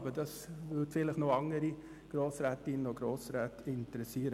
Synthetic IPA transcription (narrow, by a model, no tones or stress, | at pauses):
bədɑsvʏdfɪləχnoɑŋəɾi | ɡ̥ɾoːsɾɛːtɪnənoɡ̥ɾoːsɾɛːtɪntəɾɛsiːəɾə